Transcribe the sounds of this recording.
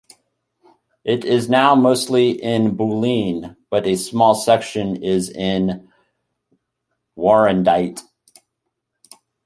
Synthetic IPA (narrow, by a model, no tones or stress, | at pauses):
ʔɪɾɪznaʊmoʊstˡliʔɪ̃nbulĩnb̥ʌɾɨsmɔlˠsɛkʃɨ̃nɪzɪ̃n | wɔɹɨ̃ndaɪt